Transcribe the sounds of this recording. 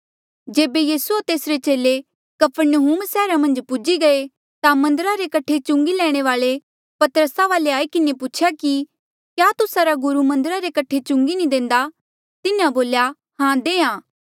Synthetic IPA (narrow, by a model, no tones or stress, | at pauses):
d͡ʒeːbejiːsuat̪eːsɾet͡ʃeːle | kɐpʰəɾnəɦuːmsɛːɾamɐ̃nd͡ʒpʊd͡ʒiɡɐe | t̪amɐ̃nd̪əɾaɾekɐʈʰet͡ʃʊ̃ŋɡilɛːɽ̃eʋaːɭe | pɐt̪əɾəsaʋaːleaːikɪnepʊt͡ʃʰjaki | kjaːt̪ʊsaɾaɡʊɾumɐ̃nd̪əɾaɾekɐʈʰet͡ʃʊ̃ŋɡinĩd̪ẽːnd̪a | t̪ɪnãboːlja | hãd̪ẽːãː